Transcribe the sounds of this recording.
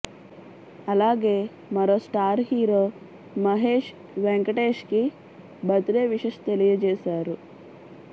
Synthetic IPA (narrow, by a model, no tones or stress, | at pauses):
ɐlaːɡeː | mɐɾoːsʈaːɾɦiːɾoː | mɐɦeːʃ | ʋeŋkɐʈeːʃki | bɐt̪ɾeːʋiʂɐʃt̪elijɐd͡ʒeːsaːɾu